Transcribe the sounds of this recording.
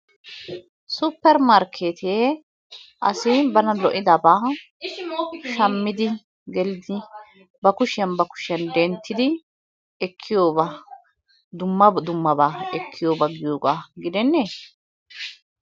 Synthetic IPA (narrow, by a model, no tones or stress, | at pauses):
sʊpːɛɾmaɾkʰeːt̪ʰeː | ʔɐ̰sɪbɐnɐlɔʔɪd̪ɐbaː | ʃɐmːɪd̪ɪ | ɡɛlɪd̪ɪ | bɐkʊʃɛnbɐkʊ̥ʃɛnd̪ɛnt̪ʰːɪd̪ɪ | ɛkʰːɪjoːba | d̪ʊmːɐd̪ʊmːɐbaːɛkʰːɪjo̞ːbɐɡɪjoːɡaːɡɪd̪ɛnːeː